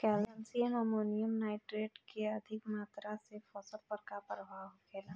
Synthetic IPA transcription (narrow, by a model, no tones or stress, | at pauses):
kɛːlɛnsiəmɔmoːnijəmnaːɪʈɾeːɖkeɐd̪ʱɪkmaːt̪ɾasefɔːsəlpəɾkapɾəbʱaːwkeːla